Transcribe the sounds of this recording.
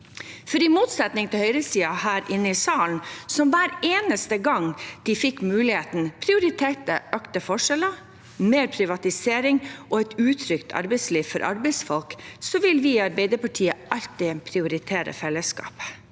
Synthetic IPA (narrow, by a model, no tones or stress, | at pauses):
fɔɾɪmuːt̪sɛt̪nɪŋt̪ʰɪlhœʏɾəsiːɑhæːɾʔɪnːəɪsɑːln̩sɔmʋæːɾeːnəst̪əɡɑŋd̪̥ɪfɪkːmʉːlɪheːt̪npʰɾɪʊɾɪt̪ʰeːʈ̪əʔøːkt̪əfɔʂɛlə | meːɾpʰɾɪʋɑt̪ɪseːɾɪŋʔɔɛɪt̪ʉːt̪ʰɾʏkt̪ʰɑ̰ɾbɛɪt̪sliːʋfɔɾʔɑ̰ɾbɛɪsfɔlksɔʋɪlʋɪɑɾbɛɪd̪əɾpɑʈʰiːəʔɑlt̪ɪpʰɾɪʊɾɪt̪ʰeːɾə̰fɛlːəskɑ̰ːp